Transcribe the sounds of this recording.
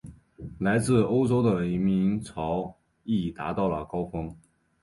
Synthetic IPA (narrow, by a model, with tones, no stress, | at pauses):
la˧˥ɪt͡sɹ̩˥˩o˥ʊʈ͡ʂo˥ʊd̪ə˨˩i˧˥mi˧˥ŋt͡sʰɑ˧˥ʊ | i˥˩t̪a̰˧˥t̪ɑ˥˩ʊlə̰˩kɑ˥ʊfɤ˥ŋ